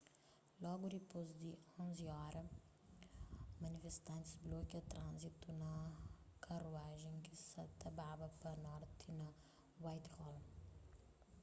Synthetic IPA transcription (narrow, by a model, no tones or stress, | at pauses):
lɔɡʊd̪ipozd̪iõziɔɾɐ | mɐnifest̪ɐ̃nt̪i̥zblokɐt̪ɾãnzit̪unɐkʰɐɾuaʒẽkisɐt̪ɐbabɐpɐnɔɾt̪ʰɪnɐ | wajt̪hɔl